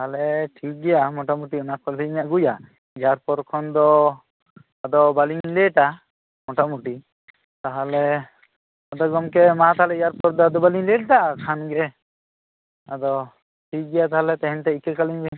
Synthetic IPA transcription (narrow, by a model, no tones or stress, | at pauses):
aɦalɛʈʰik̚ɡɛjamɔʈamuʈiɔnakʰɔʈiiɲaʔɡuja | ijaɾpɔɾkʰɔnd̪ɔ | ad̪ɔbaliɲlɛʈa | mɔʈamuʈi | t̪aɦalɛ | ad̪ɔɡɔmkɛmat̪aɦalɛjaɾpɔɾd̪ɔad̪ɔbaliɲlɛʈ̚ʈakʰanɡɛ | ad̪ɔ | ʈʰik̚ɡɛjat̪aɦalɛt̪ɛɦɛnt̪ɛikɛɾkaliɲbɛ